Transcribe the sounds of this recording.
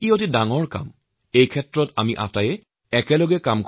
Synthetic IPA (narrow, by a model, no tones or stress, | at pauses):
iotidaŋɔɹka̰m | ejkʰɛtɹɔtamiʔa̰tajɛ | ɛkɛlɔɡɛkamk